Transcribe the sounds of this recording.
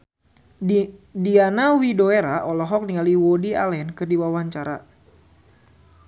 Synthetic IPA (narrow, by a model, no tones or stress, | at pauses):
dianawidoeɾaʔɔlɔɦɔk̚niŋaliwɔdia̰lɛnkɨrdiwawaɲt͡ʃaɾa